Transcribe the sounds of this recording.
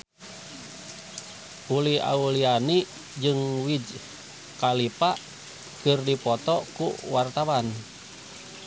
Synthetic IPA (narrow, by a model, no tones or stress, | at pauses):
ulia̰uliani | d͡ʒɨŋwid͡ʒ | kalipa | kɨrdipɔt̪ɔkuwart̪awan